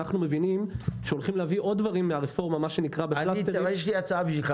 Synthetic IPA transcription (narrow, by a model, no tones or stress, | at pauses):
aχnume̞vinimʃeo̞lχimleaviʔo̞d̚ːvaʁimːeaʁefo̞ʁmamaʃe̞nikʁabeflait̪ejeʃliat͡saabiʃilχa